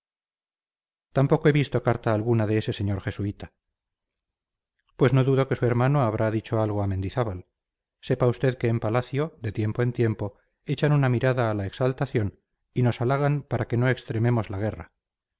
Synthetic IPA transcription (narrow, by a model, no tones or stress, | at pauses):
t̪ampo̞ko̞e̞βist̪o̞kaɾt̪aːlɣunaðeese̞se̞ɲo̞ɾxe̞suit̪a | pwe̞sno̞ðuðo̞kesue̞ɾmano̞aβɾʔaðit͡ʃo̞alɣo̞ame̞nd̪iθaβal | se̞paust̪e̞ðke̞ːmpalaθjo̞ðe̞t̪je̞mpoe̞nt̪je̞mpo̞ | e̞t͡ʃanunamiɾaðaːlaeksalt̪aθjo̞n | ino̞salaɣ̞anpaɾake̞no̞e̞kst̪ɾe̞me̞mo̞zlaɣe̞ra̰